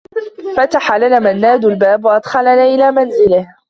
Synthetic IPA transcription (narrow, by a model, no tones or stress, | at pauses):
fat̪aħalanaːmanːaːd̪ʊlbaːbwaʔɑd̪xɑlanaːʔɪlaːmanzɪlɪh